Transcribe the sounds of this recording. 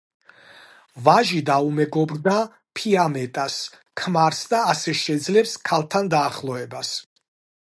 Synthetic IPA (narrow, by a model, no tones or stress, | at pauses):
vaʒid̪aumɛɡɔbɾd̪a | pʰiamɛt̪ʼas | kʰmaɾsd̪aːsɛʃɛd̪zlɛpskʰalˠt̪ʰand̪aːχlˠɔɛbas